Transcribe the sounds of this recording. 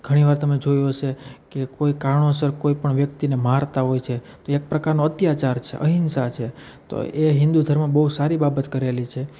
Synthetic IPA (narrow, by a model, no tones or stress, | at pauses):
ɡʱəɽ̃iʋaɾt̪əmed͡ʒojot͡ʃʰekekoikaɾɳosəɾkoipəɳʋjək̚t̪inemaɾt̪aɦojt͡ʃʰe | t̪oek̚pɾəkaɾnoət̪jat͡ʃaɾt͡ʃʰḛʔə̰ɦɪnsat͡ʃʰe | t̪o̰eɦɪ̃nd̪ud̪ʱəɾmãbəusaɾibabət̪kəɾelit͡ʃʰe